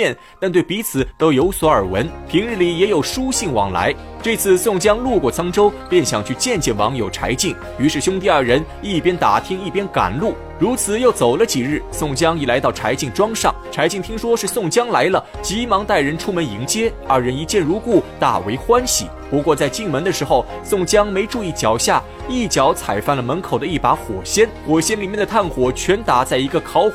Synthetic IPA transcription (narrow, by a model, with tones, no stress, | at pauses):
ɛ˥˩n | t̪a˥˧nt̪we˥˩ɪpi˧˥t͡sʰɹ̩˨˩˦t̪o˥ʊjo˧˥ʊswɔ˧˥ə˞˨˩wə̰˧˥npʰi˧˥ŋɻɻ̩˥˩li˨˩jɛ˧˥jo˨˩ʊʂu˥ɕi˥˩ŋwɑ̰˨˩ŋla̰˧˥ɪ | ʈ͡ʂɤ˥˧t͡sʰɹ̩˥˧sʊ˥˩ŋt͡ɕjɑ˥ŋlu˥˧kwɔ˥˩t͡sʰɑ˥ŋʈ͡ʂo˥ʊpjɛ˥˩nɕjɑ˨˩ŋt͡ɕʰy˥˧t͡ɕjɛ˥˧nt͡ɕjɛ˥˩nwɑ̰˧˥ŋjo˨˩ʊʈ͡ʂʰa̰˧˥ɪt͡ɕi˥˩ŋ | y˧˥ʂɻ̩˥˩ɕjʊ˥ŋt̪i˥˧ɐ˞˥˩ɻə˧˥n | i˥˩pjɛ˥nt̪a˨˩t̪ʰi˥ŋi˥˩pjɛ˥nka̰˨˩nlu˥˩ | ɻu˧˥t͡sʰɹ̩˨˩˦jo˥˩ʊt͡so˨˩ʊlə˦t͡ɕi˨˩ɻɻ̩˥˩sʊ˥˩ŋt͡ɕjɑ˥ŋi˥˩la˧ɪt̪ɑ˥˩ʊʈ͡ʂʰa˧˥ɪt͡ɕi˥˩ŋʈ͡ʂwɑ˥ŋʂɑ̰˥˩ŋʈ͡ʂʰa˧˥ɪt͡ɕi˥˩ŋt̪ʰi˥ŋʂwɔ˥ʂɻ̩˥˧sʊ˥˩ŋt͡ɕjɑ˥ŋla˧˥ɪlə˧ | t͡ɕi˧˥mɑ˧˥ŋt̪a˥˩ɪɻə˧˥nʈ͡ʂʰu˥mə˧˥ni˧˥ŋt͡ɕjɛ˥ | ə̰˞˧ɻə˧˥ni˧˥t͡ɕjɛ˥˩nɻu˧˥ku˥˩t̪a̰˨˩we˧˥ɪxwa˥nɕḭ˨˩pu˧˥kwɔ˥˧t͡sa˥˧ɪt͡ɕi˥˩ŋmə˧˥nd̪ə˧ʂɻ̩˧˥xo˥˧ʊ | sʊ˥˩ŋt͡ɕjɑ˥ŋme˧˥ɪʈ͡ʂu˥˧i˥˩t͡ɕjɑ˨˩ʊɕja˥˩ | i˥˩t͡ɕjɑ˧˥ʊt͡sʰa˨˩ɪfa˥˩nlə˩mə˧˥nkʰo˨˩ʊd̪ə˦i˥˩pa˧˥xwɔ̰˨˩ɕjɛ˥nxwɔ˨˩ɕjɛ˥nli˨˩mjɛ˥˩nd̪ə˩t̪ʰa˥˩nxwɔ˨˩t͡ɕʰɥɛ˧˥nt̪a˧˩t͡sa˥˩ɪi˧˥ɡə˧kʰɑ˧˥ʊ